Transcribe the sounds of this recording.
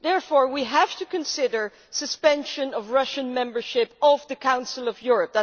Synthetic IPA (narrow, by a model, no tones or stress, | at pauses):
ðɛɹfɔɹwiɦæv̥tɨkɨ̃nsɪɾə˞ | sɨspɛ̃nʃɨ̃nʌvɹʌʃɨ̃nmɛ̃mbə˞ʃɪpʌvðɨkʰãʊ̃nsl̩ˠʌvjʊɹɨp̚ðæ